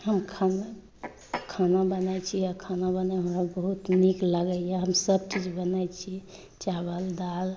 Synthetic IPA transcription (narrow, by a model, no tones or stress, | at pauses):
həmkʰana | kʰanabənajt͡ʃʰiakʰanabənɛɦəmɾabəɦut̪nikləɡəjaɦəmsəb̚t͡ʃid͡ʒbənajt͡ʃʰi | t͡ʃabəld̪al